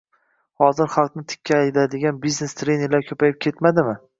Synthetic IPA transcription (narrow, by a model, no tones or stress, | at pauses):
hɒzɪɾχɑlˠqnɪt̪ʰɪ̥kʲʰːaːjd̪ad̪ɪɡʲanbizne̞st̪ʰɾenɪɾlaɾkʲʰɵpʰajɪp̚kʲʰet̪mad̪ɪmɪ